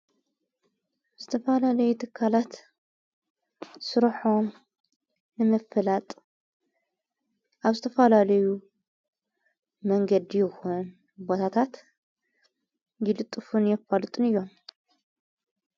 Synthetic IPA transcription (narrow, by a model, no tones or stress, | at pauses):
z̥ɨt̪ʰɐfɐlalɐjut̪ʰɨkʰːalat̪ | sɨɾħom | nɨmɐfɨlat̪ʼ | ʔaβzɨt̪ʰɐfɐlalɐju | mɐŋɡɐd̪ijɪxun | bot̪ʰat̪ʰat̪ | jɪlɨt̪ʼːɨfunjɛfalɨt̪ʼɨnɨjːo̞m